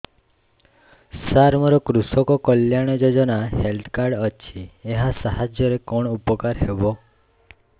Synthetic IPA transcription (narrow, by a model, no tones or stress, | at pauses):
saɾmɔɾɔkɾusɔkɔkɔljaɽ̃ɔd͡ʒɔd͡ʒɔnaɦelt̪ʰkaɾɖɔt͡ʃʰieɦasaɦad͡ʒjɔɾekɔɽ̃upɔkaɾɦebɔ